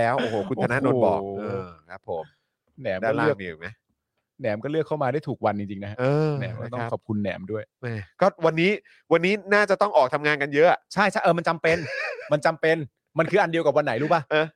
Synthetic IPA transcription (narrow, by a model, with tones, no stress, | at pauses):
lɛː˦˥wʔʔoː˧˩hoː˨˩˦kʰu˧na˧na˦˥ʔnoː˧˩bɔ̰ː˨˩ɤː˧kʰa˦˥pʰːo˩˦m | nɛː˩˦maː˥˩aɯ˥˩ə˩ŋ˨˩ma˦˥j | nɛː˩˦mkɔː˥˩lɯ˥˩əkʰːa˥˩wmaː˧duː˥˩jt̪ʰuː˨˩k̚wa˧nt͡ɕi˧ŋt͡ɕi˧ŋnʰ˦˥a˦˥ɤː˥˧˥nɛː˩˦mkɔː˥˩t̪ɔ˥˩˧ŋkʰɔ˨˩p̚kʰu˧nːɛ̰ː˩˦mdu˥˩əjma˥˩kɔː˥˩wa˧nːiː˦˥ | wa˧nːiː˦˥naː˥˩t͡ɕa˨˩t̪ɔ˥˩ŋʔɔː˨˩k̚t̪ʰa˧mŋaː˧nka˧njɤ˦˥ʔa˨˩t͡ɕʰa˥˩jt͡ɕʰa˦˥˩ʔɤː˧ma˧nt͡ɕa˧mpe˧nma˧nt͡ɕa˧mpe˧n | ma˧nkʰɯː˧ʔa˧ndi˧əwka˨˩p̚wa˧nːa˨˩˦jluː˦˥pa˧˥˩ʔɤː˧˩